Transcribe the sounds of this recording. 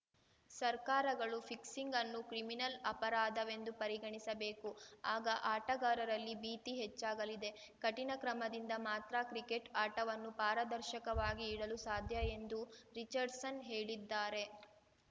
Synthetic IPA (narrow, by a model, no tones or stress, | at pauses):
sɐɾkaːɾɐɡɐɭufʰiksiŋɡɐnːukɾiminɐlɐpɐɾaːd̪ɐʋe̞nd̪upɐɾiɡɐɳisɐbe̞ːkuaːɡɐʔaːʈɐɡaːɾɐɾɐlːibiːt̪iɦet͡ʃːaːɡɐlid̪e̞ | kɐʈinɐkɾɐmɐd̪ind̪ɐmaːt̪ɾɐkɾike̞ʈaːʈɐʋɐnːupaːɾɐd̪ɐɾʃɐkɐʋaːɡiːɽɐlusaːd̪ʱjɐe̞nd̪uɾit͡ʃɐɾɖsɐnɦeːɭid̪ːaːɾe̞